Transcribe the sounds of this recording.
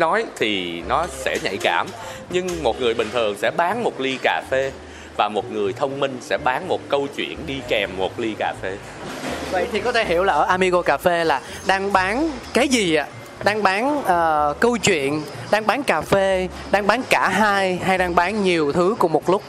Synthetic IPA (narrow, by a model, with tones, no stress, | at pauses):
nɔ˨˦jt̪ʰi˨˩nɔ˨˦sɛ̰˧˥ɲa̰˧˨jka̰ː˧˩mɲɨ˧ŋmo˨˩t̚ŋɨ˨˩əjɓï˨˩ŋ̟t̪ʰɨ˨˩əŋsɛ̰˧˥ɓaː˨˦nmo˨˩t̚li˧kaː˨˩fe˧ | vaː˨˩mo˨˩t̚ŋɨ˨˩əjt̪ʰə˧wŋ͡mmï˧ŋ̟sɛ̰˧˥ɓaː˨˦nmo˨˩t̚kə˧wt͡ɕwḭ˧˨ənɗi˧kɛ˨˩mːo˨˩t̚li˧kaː˨˩fe˧ | və̰˧˨jt̪ʰi˨˩kɔ˨˦t̪ʰe˧˩ɦi˧˩əwlaː˨˩ʔəː˧˩ʔaː˧mi˧ɣo˧kaː˨˩fe˧laː˨˩ | ɗaː˧ŋɓaː˨˦nkaː˨˦jzi˨˩ʔa̰ː˧ | ɗaː˧ŋɓaː˨˦nʔəː˨˩kə˧wt͡ɕwḭ˧˨ən | ɗaː˧ŋɓaː˨˦nkaː˨˩fe˧ | ɗaː˧ŋɓaː˨˦nkaː˧˩ɦaː˧jɦa˧jɗaː˧ŋɓaː˨˦nɲi˨˩əwt̪ʰɨ˨˦ku˧˩əmo˨˩t̚lʊ˦˥k͡p̚